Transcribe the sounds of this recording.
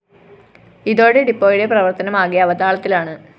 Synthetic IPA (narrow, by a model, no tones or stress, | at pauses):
iðo̞ːɽeɖipːo̞ːjiɽe̞prɐʋɐrt̪ɐnɐmaːɣijɐʋɐd̪aːɭɐt̪ːilaːɳɨ